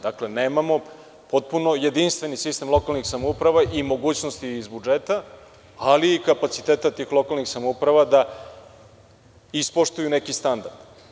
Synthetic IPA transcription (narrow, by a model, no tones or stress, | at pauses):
d̪akle̞neːmamo̞ | po̞t̪̚puno̞je̞d̪inst̪ve̞nisist̪e̞mlˠo̞kalnixsamoupɾaʋaʔimo̞ɡuːt͡ɕnost̪iːzbud͡ʒeːt̪a | aliːkapat̪sit̪eːt̪at̪iːxlˠo̞kalnixsamoupɾaʋad̪a | ispoʃt̪ujune̞kist̪and̪aɾd̪̥